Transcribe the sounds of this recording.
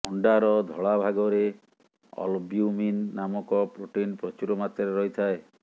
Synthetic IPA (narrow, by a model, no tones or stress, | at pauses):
ɔɳɖaɾɔd̪ʱɔɭabʱaɡɔɾe | ɔ̰lbiuminːamɔkɔpɾoʈinpɾɔt͡ʃuɾɔmat̪ɔɾeɾɔɦit̪ʰae